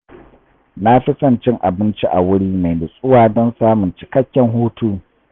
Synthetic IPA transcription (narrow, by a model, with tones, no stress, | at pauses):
na˦ɸɪ˦sɐ˦˨nt͡ʃɪ˦ŋʔa˨bɪ˦nt͡ʃi˦ʔa̰˨wʊ˦ɽiː˦ma˨jbɪ˨sʼʊ˦waː˨dɔ˦nsaː˦mʊ˨nt͡ʃɪ̥˨kɐ˦kʲːɛ˨ŋɦuː˦tuː˦